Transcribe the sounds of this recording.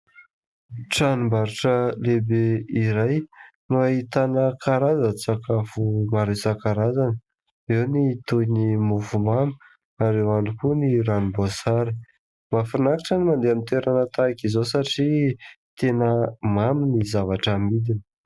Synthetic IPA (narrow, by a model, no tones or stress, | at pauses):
ʈ͡ʂanimbaɾiʈ͡ʂəlebeiɾaj | nuait̪anəkʰaɾazət͡sakafumaɾesakaɾazanə | ewnit̪unimuvumami̥ | aɾewanikuniɾanibasaɾi̥ | mafanakḁʈ͡ʂənimand̪eamint̪eɾanət̪akizosaʈ͡ʂi | t̪enəmaminizavaʈ͡ʂəamid̪inə̥